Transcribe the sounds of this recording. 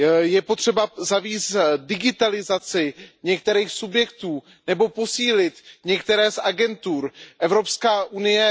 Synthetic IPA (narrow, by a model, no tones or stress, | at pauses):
jɛpo̞t̪r̥ɛbazaviːsdɪɡɪt̪alɪzat͡sɪɲɛkt̪ɛɾiːxsubjɛk̚t̪uː | nɛbo̞po̞siːlɪt̪ɲɛkt̪ɛɾɛːsʔaɡɛnt̪uːɾʔɛvɾo̞pskaːʔunɪjɛ